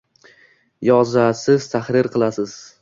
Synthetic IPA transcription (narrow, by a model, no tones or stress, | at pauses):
jɒzasɪz̥t̪ʰaχɾɪɾqʰɨlˠasɪz̥